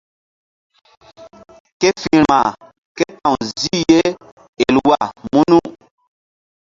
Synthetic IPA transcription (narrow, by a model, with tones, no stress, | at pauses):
ke˦fi˨ɾma˨ | ke˦tã˨wzi˦je˦ | e˨lwa˦˨mu˦nu˦